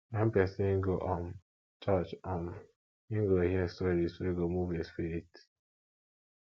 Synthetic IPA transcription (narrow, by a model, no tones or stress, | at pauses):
ɛm̩pɛsĩŋɡoʔam | t͡ʃat͡ʃam | iŋɡoɦiɛstoɾisweɡomuvespiɾit